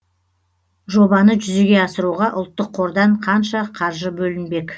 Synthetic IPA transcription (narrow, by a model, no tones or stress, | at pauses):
ʒo̞bɑnəʒʏze̞ɡʲe̞ɑsəɾuʁɑʔʊ̰lˠt̪ːəqʰːo̞ɾd̪ɑɴqʰɑnʃɑqʰɑɾʒəbɵlɪnbe̞kʲ